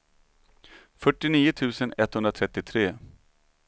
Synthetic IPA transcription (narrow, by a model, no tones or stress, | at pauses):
fœʈːɪniːʊt̪ʰʉ̟ːsənɛt̪ːhɵnd̪ɾat̪ʰɾɛt̪ːɪt̪ʰɾeː